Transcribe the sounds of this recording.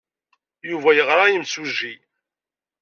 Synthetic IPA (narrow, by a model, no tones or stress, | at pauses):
juvæjəʁɾˤajəmsuʒːi